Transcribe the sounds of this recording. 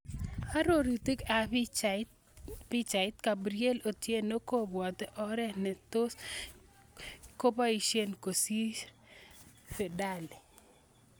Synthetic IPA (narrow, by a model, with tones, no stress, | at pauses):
a˦ɾo˦ɾi˨t̪i˦ka˨ | pi˦t͡ʃa˨ɪ˦t̪ka˨bɾie˦lo˨t̪je˦no˦ko˦bwɔ˨t̪ɛ˦ʔɔ˦ɾɛ˦nɛ˨t̪o˦s | ko˦pa˦i˨ʃe˦nko˨si˦ | fɛ˨da˦˨li˨